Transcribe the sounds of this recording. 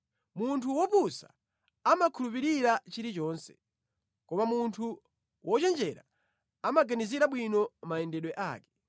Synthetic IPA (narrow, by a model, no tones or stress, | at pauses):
muntʰuwɔpusa | amakʰulupiɾiɾat͡ʃiɾit͡ʃɔːnsɛ̥ | kɔmamuntʰu | wʔɔt͡ʃɛnd͡ʒɛɾa̰ | amaɡaniziɾaɓwinɔmaɛndɛɗwɛʔaːkɛ̥